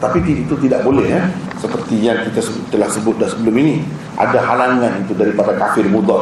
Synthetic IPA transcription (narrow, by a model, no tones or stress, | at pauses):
t̪apit̪iit̪ut̪idaʔbolɛhja | səpərt̪ijaŋkit̪asət̪t̪əlahsəbʊt̪̚dasəbəlʊmini | ʔa̰dahalaŋanit̪udaɾipadakafɪrmud̪ɑ